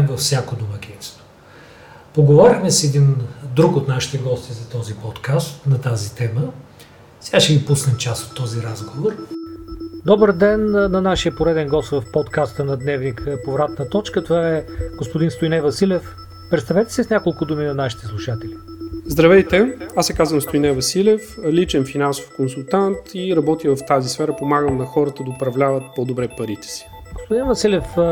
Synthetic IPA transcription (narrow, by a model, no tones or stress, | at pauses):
bfsʲjakod̪omɐkʲinst̪o̥ | poɡovɔɾʲixmɛsɛd̪ind̪ɾukot̪naʃi̥t̪ɛɡɔst̪izɐt̪ɔzipɔt̪kast̪nɐt̪azit̪ɛmə | sɛɡaʃɛɡipusnɛmt͡ʃasot̪ːɔziɾazɡovoɾ | d̪ɔbəɾd̪ɛnːɐnaʃijəpoɾɛd̪ɛnɡɔst̪vɐfpɔt̪kast̪ənɐd̪nɛvnikʰpovɾat̪nət̪ɔt͡ʃkət̪ovaɛɡ̥ospʊd̪inst̪ʊjnɛvɐsilʲɛf | pɾɛt̪st̪ɐvɛt̪ɛ̥sisnʲakolˠkʊd̪uminɐnaʃi̥t̪ɛslˠuʃat̪ɛli | zd̪ɾɐvɛjt̪ɛasɛkazvəmst̪ʊinɛvɐsilʲɛflit͡ʃɛnfinanso̥fkonsulˠt̪ant̪ʰiɾɐbɔt̪ivɐft̪azisfɛɾəpomaɡəmnɐxɔɾət̪əd̪ɐʊpɾɐvlʲavət̪̚pɔd̪obɾɛpɐɾit̪ɛ̥si̥ | ɡospʊd̪invɐsilʲɛf